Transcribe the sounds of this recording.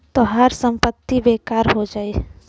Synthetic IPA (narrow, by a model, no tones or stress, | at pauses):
t̪oɦəɾsə̃mpət̪ːibeːkaːɾɦod͡ʒaːeː